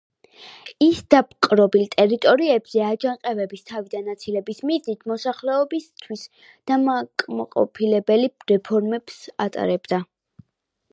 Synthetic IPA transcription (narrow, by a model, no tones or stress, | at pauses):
isd̪̥ap̚ʰqʼɾɔbilt̪ʼɛɾit̪ʼɔɾiɛbz̥ɛad͡ʒaŋqʼɛvɛbist̪ʰavid̪anat̪sʰilɛbismiznit̪ʰmɔsaχlɛɔbist̪ʰwis | d̪̥amakʼmaqʼɔ̰pʰilɛbɛliɾɛpʰɔɾmɛbsat̪ʼa̰ɾɛbd̪a